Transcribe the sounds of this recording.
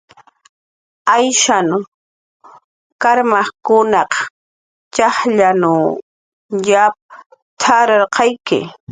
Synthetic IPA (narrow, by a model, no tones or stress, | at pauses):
ajʃan | kaɾmɑχkʊnɑq | t͡ʃɑχʎanaw | jap̚ | t̪ʰaɾaɾqɑjkɪ̰